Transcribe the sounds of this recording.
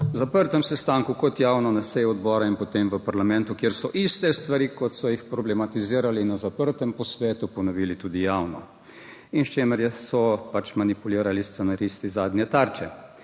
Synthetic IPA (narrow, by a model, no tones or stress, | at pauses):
zapəɾt̪ɛmsɛst̪aːŋkukɔt̪jaːwnɔnasɛjɔd̪bɔːɾainpɔt̪emʋəpaɾlamɛ̃nt̪ukjeɾsɔʔist̪ɛst̪ʋaɾiːkɔt̪sɔjixpɾɔblɛmat̪iziːɾalinazapəɾt̪ɛmpɔsʋɛːt̪upɔnɔʋiːlit̪uːd̪ijaːwnɔ̰ | inst͡ʃeːməɾjɛsɔpat͡ʃmanipuliːɾalist̪sɛnaɾist̪izaːd̪nʲjɛt̪aːɾt͡ʃɛ